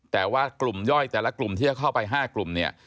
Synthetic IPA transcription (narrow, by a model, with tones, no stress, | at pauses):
t̪ɛː˨˩waː˥˩klu˨˩mjɔ˥˩jt̪ɛː˨˩la˦˥klu˨˩mt̪ʰiː˥˩t͡ɕa˨˩kʰa˥˩wpa˧jɦaː˥˩klu˨˩mni˥˩ɐ